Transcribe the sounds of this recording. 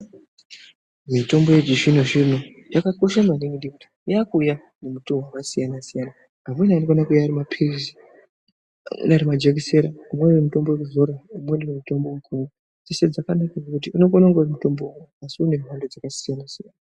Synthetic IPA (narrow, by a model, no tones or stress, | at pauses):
mito̞mbojed͡ʒiʐinoʐino | jakako̞ʃamaniŋɡiɗiku | jakuja | nemutuɦwakasijanasijana | amenanokonakujaːɾimapʰirizi | mḛnaɾimad͡ʒekise̞ɾaumwewemuto̞mbowekuzo̞ɾaumwendewemuto̞mbo̞ukʰumu | d͡zese̞d͡zakanakad͡zakut̬iuno̞konaŋɡaurimuto̞mboumeasiune̞rwandod͡zakasijanasijana